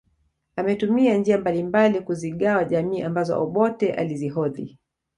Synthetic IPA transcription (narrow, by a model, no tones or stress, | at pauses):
amɛtumiand͡ʒiambalimbalikuziɠawaʄamiːʔambazɔ̰ʔɔɓɔtɛʔa̰liziɦɔðḭ